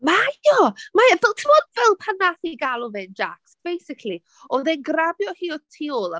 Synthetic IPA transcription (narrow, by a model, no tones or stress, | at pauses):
maɔmaavɛtʰɪmɔdvɛlˠpʰanaθiɡalˠɔvɛnd͡ʒa̰ksb̥ejsɪkʰli | ɔðɛnɡrabjɔhiːɔtʰiʊlˠa